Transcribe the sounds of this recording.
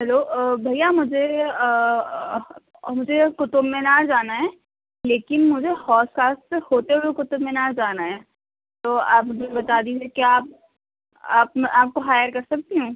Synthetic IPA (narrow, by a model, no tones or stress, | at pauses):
ɦɛloːbʱɐjamʊd͡ʒʱe | mʊd͡ʒʱekʊt̪ʊbmẽnaːd͡ʒaːnaɦɛː | leːkɪnmʊd͡ʒʱehɔːskaːsʈsehoːt̪eɦʊekʊt̪ʊbmẽnaːɾd͡ʒaːnaɦɛː | t̪oːaːpbɐt̪aːd̪iːd͡ʒiekiaːp̚ | a̰ːp̚mɛʔaːp̚koɦaːjəɾkɐɾsɐk̚t̪iɦũː